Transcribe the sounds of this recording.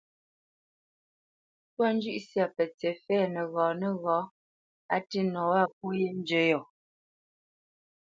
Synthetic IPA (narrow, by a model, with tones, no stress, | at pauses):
pwa˦n˦d͡ʒʉ˦ʔsja˨pə˨t͡sɛ˨fɛː˦˨nə˨ɣɔː˨nə˦˨ɣɔː˨˦ | a˦ti˦nɔ˨wa˦˨p̚u˦je˦n˦d͡ʒə˦jɔ˨